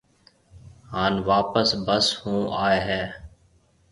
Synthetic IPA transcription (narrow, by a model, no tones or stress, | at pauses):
ɦaːnʋaːpəsbəshũːʔaːeɦɛː